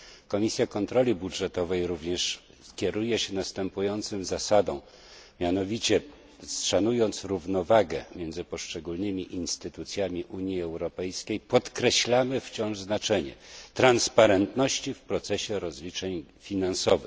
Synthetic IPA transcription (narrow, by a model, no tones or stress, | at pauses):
kɔmʲisʲjakɔnt̪ɾɔlʲibudʐɛt̪ɔvɛjɾuvɲɛʂ | kʲɛɾujɛɕɛnast̪ɛmpujɔnt̪sɘmzasad̪ɔ̰̃w̃ | mʲjanɔvʲit͡ɕɛ | sʂanujɔnt̪sɾuvnɔvaɡɛ̰mʲjɛnd̪zɘpɔʂt͡ʂɛɡulnɘmʲiʔinst̪ɘt̪ut̪sʲjamʲiʔuɲiɛwɾɔpɛjskʲejpɔt̪kɾɛɕlamɘft͡ɕɔ̃w̃ʐznat͡ʂɛɲɛ̰t̪ɾanspaɾɛnt̪nɔɕt͡ɕifpɾɔt̪sɛɕɛɾɔzlʲit͡ʂɛɲfʲinansɔvɘ̰x